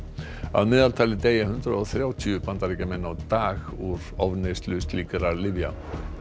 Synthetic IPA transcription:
a̰ðmɪːðalt̪ʰaːlɪt̪eːjahʏnt̪ɾaɔθɾjaːwt̪ʰyʏpʰant̪aɾɛcamɛnːawt̪aːɣuɾ̥ɔvnest̪lʏst̪liːkaɾaɾlɪvja̰

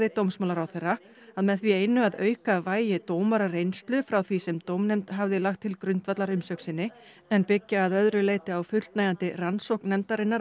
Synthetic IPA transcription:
ðɪt̪owmsmaːlaɾawθejrːa | aðmɛðθvieːjnːʏaðœːɥkavaːjjɪt̪oːwmaɾarejnst̪lʏfɾawθvisɛmt̪owmnɛmt̪ɦavðɪlaxt̪ʰːɪlkɾʏnt̪vat̪laɾʏmsœksɪnːɪ | ɛnpɪcːaːðœðɾʏleːjt̪ɪawfʏl̥t̪najant̪ɪransowknɛmt̪aɾɪnːa

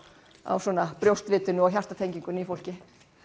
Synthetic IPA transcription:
a̰wsɔnapɾjowst̪vɪːt̪ʏnʏɔwçar̥t̪at̪ʰejɲciŋkʏnifowl̥cɪ

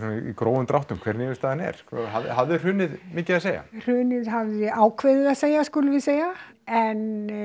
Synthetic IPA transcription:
sniikɾoːwvʏmt̪ɾawht̪ʏmkʰvɛɾnɪːmɪst̪aːðanɛ̰ɾ̥kʰɦaɦavðɪr̥ʏːnɪðmɪːcɪðaseːja̰r̥ʏːnɪðɦavðɪaːwkʰvɛːðɪðaðseːjaskʏlʏvɪseːja | ɛn

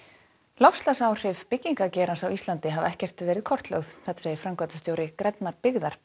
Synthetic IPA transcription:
lɔfslasaːwr̥ɪvpɪcːiŋkacɛːɾansawist̪lant̪ɪɦavɛhcɛr̥t̪vɛːɾɪðkʰɔr̥t̪lœ̰ɣθθɛht̪aseːjɪfɾamkvat̪ḁst̪jowɾɪkɾɛt̪naɾpɪɣðaɾ̥

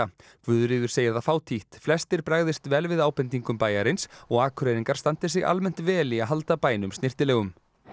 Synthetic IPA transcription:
akʰvʏðɾiːðʏ̥seːjaðafaːwt̪ʰiht̪flɛst̪ɪɾpɾaːɣðɪst̪vɛːlvɪðaːwpɛnt̪̬iŋkʏmpaːjaɾɪnsɔɣaːkʰɾɛːðiŋkaɾ̥st̪ant̪ɪ̥sɪɣa̰lmɛn̥t̪vɛːliaðɦalt̪apaːjnʏmst̪ɪr̥t̪ɪlɛːɣʏm

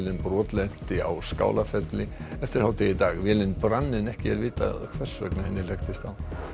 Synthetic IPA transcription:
lɪnpɾɔːt̪lɛn̥t̪ɪa̰wska̰ːwlafɛt̪lɪɛft̪ɪɾ̥hawt̪ɛjɪt̪aːɣvɛːlɪnpɾanːɪnɛhcɪɛɾvɪːt̪a̰kʰvɛr̥svœ̰knahɛnːɪlɛxt̪ɪst̪aw

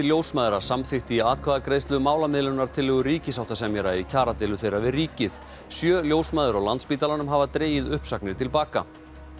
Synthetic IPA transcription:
ɪljowsmaːðɾasamθɪxt̪ɪiaːt̪̚kʰvaːðakɾejst̪lʏmaːwlamɪðlʏnaɾ̥t̪ʰɪlːɛːɣʏriːcɪsaw̥ht̪asɛmjɛɾaicʰaːɾat̪ɪːlʏθejɾavɪðriːcɪθ | sjœːljoːwsmaːðʏɾawlant̪spiːt̪alanʏmɦaːvat̪ɾeːjɪðʏhpsaknɪɾt̪ʰɪlpaːka̰

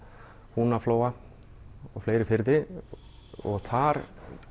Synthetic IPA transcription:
hunafloːwa | ɔɣfleːjɾɪfɪɾðɪ | ɔ̰ɣθʰaɾ

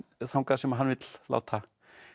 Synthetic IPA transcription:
θawnkasɛmaɦanːvɪt̪lla̰ːwt̪ʰa

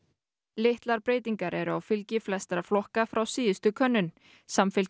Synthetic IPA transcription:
lɪht̪laɾpɾeːjt̪̬iŋkaɾɛɾʏawfɪlcɪflɛst̪ɾaflɔhkafɾawsiːðɪst̪ʏkʰœnːʏn | samfɪl

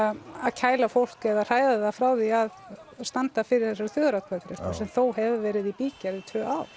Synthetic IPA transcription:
aðcʰaːjlafowl̥kɛðar̥aːjðaðafɾaːwðiaðst̪ant̪afɪɾɪɾ̥θɛsːaɾ̥θjœːɣʏɾawt̪kʰaθɾɛasɛmθowɦɛvɪvɛːɾɪðipiːcait̪ʰvœːaːwɾ̥

